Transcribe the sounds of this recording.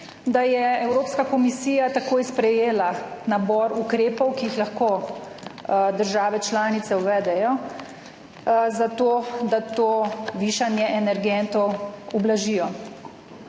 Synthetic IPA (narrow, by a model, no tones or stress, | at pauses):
d̪ajɛɛwɾoːpskakɔmisiːjat̪akoːjspɾɛjeːlanabɔɾukɾeːpɔwkiixlaxko | d̪əɾʒaːʋɛt͡ʃlaːnit̪sɛuʋɛːd̪ɛjɔ | zat̪oːd̪at̪oːʋiːʃanjɛʔɛnɛɾɡɛnt̪ɔwublaʒiːjɔ